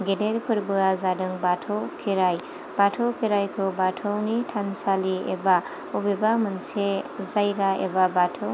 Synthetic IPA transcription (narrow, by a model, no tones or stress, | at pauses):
ɡedeɾpəɾbɯazadɯŋbaʈʰowkʰiɾaj | batʰowkʰeɾajkʰobatʰownitʰansaliḛba | ubebamənsezajɡaḛbabatʰow